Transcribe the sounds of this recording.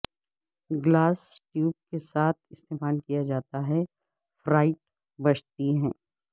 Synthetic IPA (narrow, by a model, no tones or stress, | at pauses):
ɡlaːsʈjuːb̚kesaːt̪̚ʰɪst̪eːmaːlkijad͡ʒaːt̪aɦɛ | fɾaːɪʈ̚ | bɐt͡ʃt̪iɦɛ̃ː